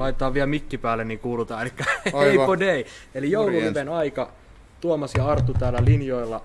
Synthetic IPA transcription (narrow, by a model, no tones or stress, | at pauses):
lɑit̪et̪ɑːʋʋiælmikːipæːlːˑenikuːlut̪ɑːelikːɑeipodeielijoululeʋenɑikɑ | t̪uomɑsjɑɑrt̪ːˑut̪æːlːˑælinjoilːɑ